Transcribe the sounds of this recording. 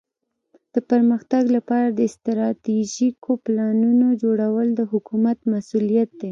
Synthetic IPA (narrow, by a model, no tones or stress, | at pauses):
d̪̥əpəɾməxt̪aɡlapɑɾad̪əɪst̪ɾɑt̪iʒikʰoplɑnunod͡ʒoɽawəld̪əɦʊkumat̪masulijat̪̚d̪e